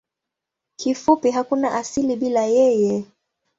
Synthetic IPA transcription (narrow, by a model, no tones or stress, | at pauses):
kifupiɦakunaʔasiliɓilajɛjɛ